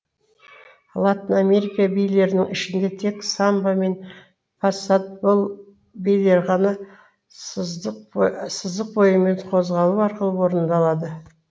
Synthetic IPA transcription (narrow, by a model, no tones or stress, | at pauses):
lˠɑt̪iname̞ɾikabijle̞ɾɪnɪŋɪʃɪnd̪e̞t̪ʰe̞ksambame̞n | fasat̪̚bolˠ | bijle̞ɾʁɑnɑ | səzd̪əq̚bo̞jəme̞ɴqʰo̞zʁɑlˠuɑɾqəlˠəwo̞ɾənd̪ɑlˠɑd̪ə